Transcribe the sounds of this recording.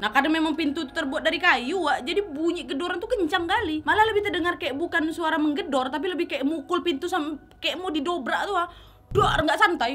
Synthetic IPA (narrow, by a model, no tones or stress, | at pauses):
nahkadaŋmemaŋpint̪ut̪u̥t̪ərbuat̪̚daɾikajuaʔd͡ʒadibuɲiʔɡədɔɾant̪ukəɲt͡ʃaŋkalimalaləbɪht̪ədəŋarkaɛʔbukansuaɾaməŋɡədɔrt̪ap̬iləbɪhkaɛʔmukʊlpint̪usam | kaɛʔmodidobɾaʔt̪ua | doʔrŋɡaʔsant̪aj